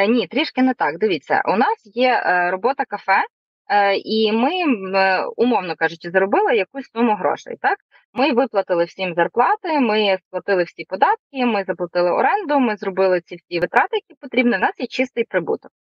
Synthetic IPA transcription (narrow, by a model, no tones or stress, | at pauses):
nʲit̪ɾʲiʃkɪnɛt̪ɑkd̪ɪʋʲit͡sʲːɐ̰ʔṵnɑsjɛɾɔbɔt̪ɐkɐfɛ | imɪ | ʊmɔwnɔkɑʒʊt͡ʃɪzɾɔbɪlˠɪjɐkusʲsumʊɦɾɔ̰ʃɛ̰j̰t̪ɑk | mɪʋɪplˠɐt̪ɪlˠɪwsʲimzɐrplˠɑt̪ɪmɪsplˠɐt̪ɪlˠɪwsʲipɔd̪ɑt̪̚kɪmɪzɐplˠɐt̪ɪlˠɪɔ̰ɾɛnd̪ʊmɪzrɔbɪlˠɪt͡sʲiwsʲiʋɪt̪ɾɑt̪ɪjɐkʲipɔt̪ɾʲibniʊnɑsjɛt͡ʃɪst̪ɪjpɾɪbṵt̪ɔk̚